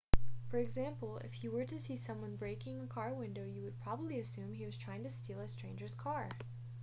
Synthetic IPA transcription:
fə˞ɨɡzæ̃mpl̩ˠɪ̰fjɨwə˞ɾɨsisʌ̃mwʌ̃nbɹeɪkɪ̃ŋəkʰɑɹwɪ̃ndoʊjɨwɨd̚pʰɹ̥ɑbəbliɨsʉ̃miwʌz̥tʰɹ̥aɪɪ̃ŋtɨstilˠəstɹ̥ẽɪ̃nd͡ʒə˞z̥kʰɑɹ

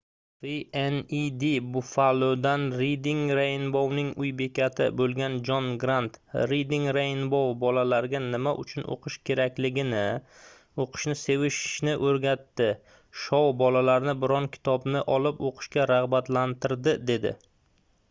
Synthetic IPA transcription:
vienid̪ibʊfalod̪anɾid̪iŋɾajnbownɪŋʊjbe̞kʲat̪ʰɪ̰bolˠɡʲand͡ʒɒnɡɾant̪ɾid̪iŋɾajnbowbɒlalaɾɡʲanɪmaʔʊ̰t͡ʃʰʊno̰qʰɨʃkʲʰe̞ɾakʲlɪɡʲɪnɪ | oqʰɨ̥ʃnɪse̞vɪʃnɪʔɵɾɡʲat̪ːɪ | ʃɒwbɒlalaɾnɪbɪɾɒnkʲʰɪ̥t̪ʰɒbnɪʔɒlɪpoqʰɨ̥ʃkʲaɾaʁbat̪lant̪ʰɪɾd̪ɪd̪e̞d̪ɪ̰

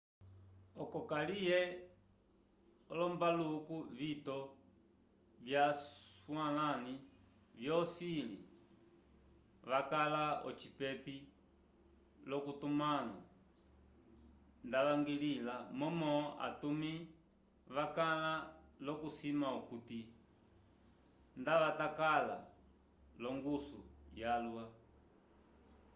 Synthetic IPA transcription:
ɔkɔkalijɛ | ɔlɔmbalukuvitɔ | vjaswalani | vjɔsilḭ | ʋakalaɔt͡ʃipɛpi | lɔkutumala̰ | ndaʋaŋɡililamɔmɔʔa̰tumi | ʋakalalɔkusimaukuti | ndaʋatakala̰ | lɔŋɡusujalwa

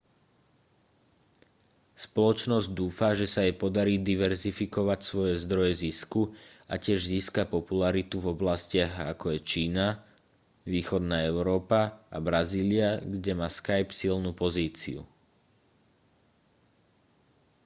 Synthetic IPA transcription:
spɔlɔt͡ʃnɔzɟd̪uːfaʒɛsajɛpɔd̪aɾiːd̪iʋɛɾzifikɔʋacsʋɔjɛzd̪ɾɔjɛziskua̰cɪɛʒziːskapɔpulaɾit̪uvɔblascɪaɣakɔjɛt͡ʃiːna | ʋiːxɔd̪naːɛʊɾɔːpaabɾaziːliaɡɟɛmaskajpsilnupɔziːt͡sḭṵ

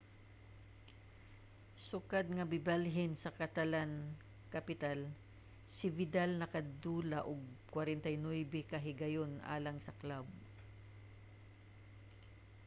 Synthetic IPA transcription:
sʊkad̪̚ŋɐbɪbalɦɪnsɐkɐt̪ɐlan | kɐpɪt̪al | sɪvɪd̪alnɐkɐd̪uːlɐʔʊɡ̚kwɐɾɛnt̪ɐjnojbɛkɐɦɪɡɐjonʔa̰ːlɐŋsɐklab̚

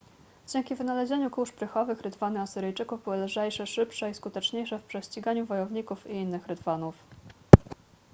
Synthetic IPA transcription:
d͡ʑeŋkʲivɘnalɛʑeɲukuʂpɾɘxɔvɘxɾɘt̪vanɘasɘɾɘjt͡ʂɘkuvbɘwɘlʐɛjʂɛʂɘpʂɛiskut̪ɛt͡ʂɲejʂɛfpʂɛɕt͡ɕiɡaɲuvɔjɔvɲikufiinːɘxɾɘt̪vanuf

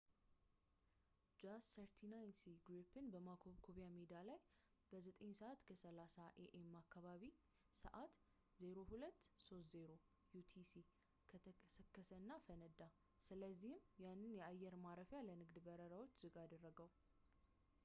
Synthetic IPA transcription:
d͡ʒasːəɾt̪ʰinajnsiɡɾipɨnbəmakʰoβkʰoβjamed̪alaj | b̥əzət̪ʼəɲːsəʔat̪kʰəsəlasaʔeʔemːakːaβaβi | sə̰ʔat̪ | zeɾo̞hulət̪ːso̞st̪ze̞ɾo̞ | jut̪ʰisi | kʰət̪ʰəkəsəkːəsəɨnːafənəd̪a | sɨləzːihɪmjanːɨnjɛajːɛɾmaɾəfjalənɨɡd̪bəɾəɾawo̞t͡ʃːz̥ɨɡad̪ərːəɡəw

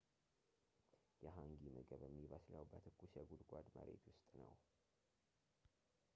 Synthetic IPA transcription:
jɛɦaŋɡiməɡəβəmːiβəsləwbət̪ʰɨkʰːuʃɛɡud̪ɡʷad̪mə̰ɾḛt̪wʊst̪ʼnəw

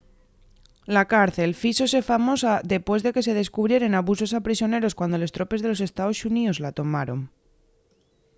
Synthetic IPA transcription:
lakaɾθe̞lfiso̞s̬e̞famo̞saðe̞pwe̞zðe̞ke̞s̬e̞ð̞e̞skuβ̞ɾje̞ɾe̞naβuso̞sapɾis̬jo̞ne̞ɾo̞skwand̪o̞lo̞st̪ɾo̞pe̞zð̞e̞lo̞s̬e̞st̪ao̞suniozlat̪o̞maɾo̞ŋ

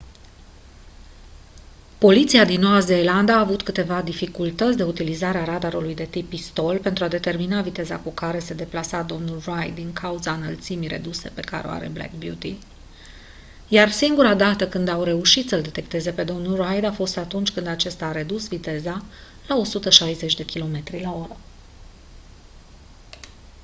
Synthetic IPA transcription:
po̞lit̪siad̪inːo̞wazeːland̪aːvut̪kɨt̪e̞vad̪ifikult̪ət̪sʲd̪e̞ut̪ilizaɾeaɾad̪aɾulujd̪e̞t̪ipːist̪o̞lpe̞nt̪ɾuad̪e̞t̪e̞rminavit̪e̞za̰kukaɾe̞se̞d̪e̞plasad̪o̞mnulrajd̪d̪ːiŋkʰauzaɨnəlt̪simijɾe̞̰d̪use̞̰pe̞kaɾeo̰a̰ɾe̞̰blḛk̚bjut̪i | jarsiŋɡuɾad̪at̪əkɨnd̪awre̞uʃit̪səld̪e̞t̪e̞kt̪e̞ze̞pe̞d̪o̞mnulrajd̪afo̞st̪at̪unt͡ʃʲkɨnd̪at͡ʃe̞st̪aːɾe̞d̪usvit̪e̞za | lao̞sut̪əʃajze̞t͡ʃʲd̪e̞kʲilo̞me̞t̪ɾilao̞ɾə

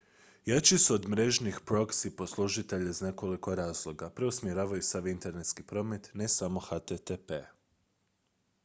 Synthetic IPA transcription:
jat͡ɕisuod̪mɾe̞ʒnixpɾo̞ksipo̞slˠuʒit̪eʎaizne̞ko̞liko̞ɾaːzlˠo̞ɡapɾeusmjeɾaːʋajusaʋint̪e̞ɾnet̪skipɾo̞ːme̞t̪ne̞samo̞xat̪et̪epḛ

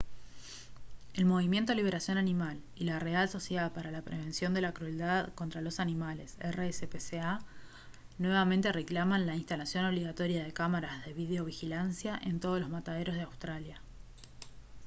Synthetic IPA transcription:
e̞lmo̞β̞imje̞nt̪oliβe̞ɾasjo̞nanimal | ilare̞also̞sjeðaðpaɾalapɾe̞β̞e̞nsjo̞nd̪e̞lakɾue̞ld̪aðko̞nt̪ɾalo̞sanimale̞seresepesea | nwe̞βamẽ̞nt̪e̞re̞klamanlainst̪alasjo̞no̞βliɣat̪o̞ɾjaðe̞kamaɾazðe̞βið̞eo̞βixilansjaʔe̞nt̪oð̞olo̞zmat̪aðe̞ɾozðe̞awst̪ɾalja

